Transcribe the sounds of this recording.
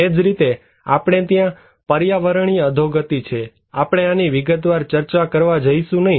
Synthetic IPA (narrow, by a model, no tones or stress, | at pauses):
ed͡ʒɾit̪e | apɽ̃et̪jã | pəɾjaʋəɾəɳ̃iəd̪ʱoɡət̪it͡ʃʰe | apɽ̃eaniʋɪɡət̪ʋaɾt͡ʃəɾt͡ʃakəɾʋad͡ʒəiʃũnəɦĩ